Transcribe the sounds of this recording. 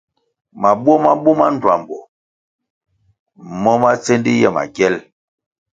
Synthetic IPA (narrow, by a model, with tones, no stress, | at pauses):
ma˨bwɔ˦ma˦bu˦ma˦n˨dwa˨m˨bɔ˨ | mɔ˦ma˦t͡se˦ndi˦jɛ˦˨ma̰˨ɡjɛ˦l